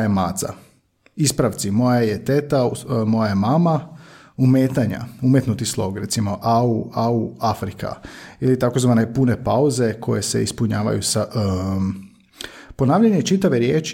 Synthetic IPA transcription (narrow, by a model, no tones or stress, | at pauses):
jemaːt̪za̰ | ispɾaʋt̪simo̞jajet̪et̪amojajemama | umeːt̪aɲa̰umjet̪nut̪islˠo̞ɡɾet̪simo̞ʔauauafɾika̰ilit̪akozʋaːne̞pune̞pauze̞kʰo̞̰je̞sḛispuɲaːʋa̰jusa | po̞naːʋʎaɲet͡ʃit̪aʋeɾjeːt͡ʃ